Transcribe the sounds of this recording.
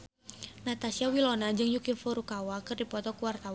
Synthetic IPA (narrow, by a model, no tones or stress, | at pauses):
nat̪asiawilonad͡ʒɨŋjukifɔɾukawakɨrdipɔt̪ɔkuwart̪awan